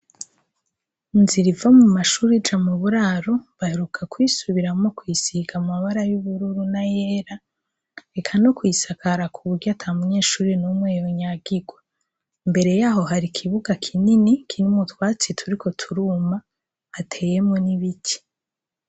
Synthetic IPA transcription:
nziɾivamumaʃuːɾid͡ʒamuβuɾaːɾo̞βaheɾukʰakwisuβiɾamo̞kwisiɡamaβaɾajuβuɾuɾunaje̞ːɾa | ɾe̞kʰanokwiːsakʰaɾakʰuβuɾɟatʰamuɲe̞ːʃuːɾinumŋeːjoɲaɡiɡwa | mbe̞ɾe̞jaːɦo̞ɦaɾikʰiβuɡakʰininikʰinimutwaːt͡sitʰuɾiko̞tʰuɾuːmaː | tʰe̞ːje̞mo̞niβitʰi̥

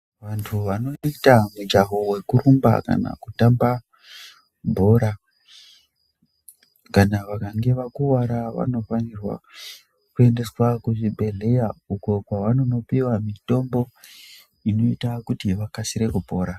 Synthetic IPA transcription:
ʋantʰuʋano̞itamud͡ʒaɦo̞we̞kuɾumba̰ka̰na̰kutamba | bʱo̞ɾa | kanaʋakaŋɡe̞ʋakuwaɾaʋa̰no̞fanirwa̰ | kue̞nde̞swakuʐibʱe̞le̞jauko̞kwaʋano̞no̞piwamito̞mbo̞ | ino̞itakutiʋakasiɾe̞kubʱo̞ːɾa

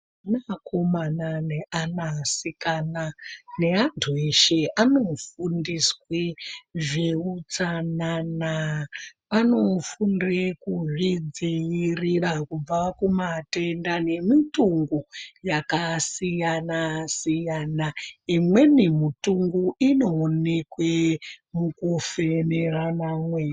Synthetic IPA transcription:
nakʰomananeʔanasikanane̞antʰueʃeʔano̞fundisweʐiut͡sanana | pano̞fundekuʐid͡zijirirakub͡vakumate̞ndane̞mituŋɡujakasijanasijanaimwe̞nimutuŋɡuʔino̞ːne̞kwemukofe̞neranamwe̞

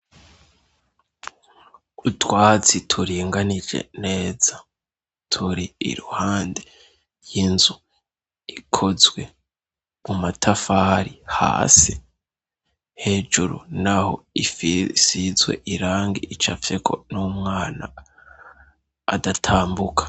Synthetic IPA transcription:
utwaːt͡sitʰuɾiːŋɡanid͡ʒḛne̞ːz̥a | tʰuɾiḭɾuhaːnde | jinzu | ikʰo̞zwe̞ | mumatʰafaːɾiha̰ːsi | he̞ːd͡ʒuɾṵnaho̞̰ifisizwe̞̰ʔiɾaːŋɡiʔit͡ʃafekʰo̞̰numŋaːna̰ | datʰaːmbukʰḁ

